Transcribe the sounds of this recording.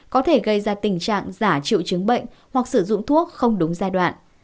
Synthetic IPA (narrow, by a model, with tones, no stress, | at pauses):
kɔ˨˦t̪ʰe˧˩ɣə˧jzaː˧t̪ï˨˩ŋ̟t͡ɕa̰ː˧˨ŋzaː˧˩t͡ɕḭ˧˨wt͡ɕɨ˨˦ŋɓə̰˧˨jŋ̟ | hwa˨˩k̚sɨ˧˩zʊ̰˧˨ŋ͡mt̪ʰu˦˥ək̚xə˧wŋ͡mɗʊ˨˦ŋ͡mzaː˧jɗwa̰ː˧˨n